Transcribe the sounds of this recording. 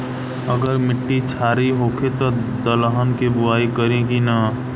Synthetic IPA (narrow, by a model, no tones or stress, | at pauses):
əɡəɾmɪʈːit͡ʃʰaːɾiɦoːkʰet̪od̪ələɦənkebʊaːikəɾẽkina